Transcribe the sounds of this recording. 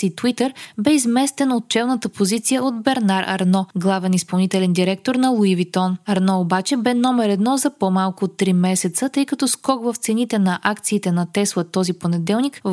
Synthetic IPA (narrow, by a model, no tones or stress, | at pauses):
it̪wit̪əɾbɛizmɛst̪ɛnot̪̚t͡ʃɛlˠnət̪əpozit̪sijəod̪bɛɾnaɾʔɐ̰ɾnɔɡlˠavɛnispɐlˠnit̪ɛlɛnd̪iɾɛk̚t̪oɾnɐlˠuivit̪ɔnɐɾnɔobat͡ʃɛbɛnɔmɛɾɛd̪nɔzɐpomalˠkʊot̪ːɾimɛsɛt̪sət̪ɤjkɐt̪ɔskɔkvəft̪sɛnit̪ɛnɐʔakt̪siːt̪ɛnɐt̪ɛslˠət̪ɔziponɛd̪ɛlˠnik